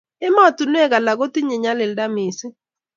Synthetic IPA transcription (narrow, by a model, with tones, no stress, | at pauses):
e˦ma˦˨tu˨nwe˦ɡa˨la˨ɡo˦ti˦ɲe˨ɲa˦lɪ˨lda˦mɪ˨sɪ˦